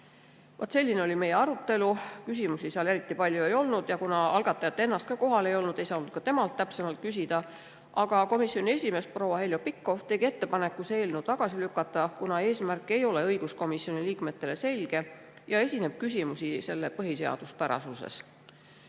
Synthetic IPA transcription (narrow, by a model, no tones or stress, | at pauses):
vɑt̪ːˑse̞lʲːineo̞lʲime̞je̞ɑɾut̪ːe̞lukysimusiseɑle̞ɾit̪ːˑipɑlʲjue̞jo̞lnud̪̥jɑkunɑɑlɡ̥ɑt̪ːˑɑjɑt̪ːˑee̞nːɑst̪̚kɑko̞ɦɑle̞jo̞lnud̪̥e̞jsɑnud̪̥̚kɑt̪e̞mɑlt̪ːæpse̞mɑlt̪̚kys̬ʲid̪̥ɑ | ʔɑɡ̥ɑko̞misjo̞nʲie̞sʲime̞spro̞wɑɦe̞ljopikːo̞ft̪e̞ɡie̞t̪ːe̞pɑne̞kːˑuse̞ːlnud̪̥̚t̪ɑɡ̥ɑsilykːˑɑt̪ˑːɑkunɑe̞ːsmærkːˑe̞jo̞le̞ɤjɡ̥usko̞misːio̞niliːkme̞t̪ːe̞le̞se̞lʲɡ̥e̞ | jɑe̞sʲine̞b̥̚kysʲimusise̞lːe̞pɤɦise̞ɑ̰d̪̥uspæɾɑ̰susḛs